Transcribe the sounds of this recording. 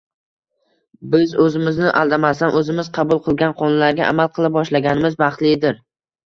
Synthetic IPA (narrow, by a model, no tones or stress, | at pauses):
bɪzɵzɪmɪznɪʔa̰lˠd̪amasanʔɵzɪmɪz̥qʰɑbʊlˠqʰɨlˠɡʲanqʰɒnlaɾɡʲaʔa̰malˠqʰɨlˠɪp̚bɒʃlaɡʲanɪmɪzbɑχt̪lˠɪd̪ɪɾ